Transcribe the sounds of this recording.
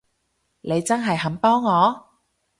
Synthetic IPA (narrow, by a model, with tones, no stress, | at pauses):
ne˨˧jt͡sɐ˥nɦɐ˨jhɐ˨˥mpɔː˥ŋːɔː˨˧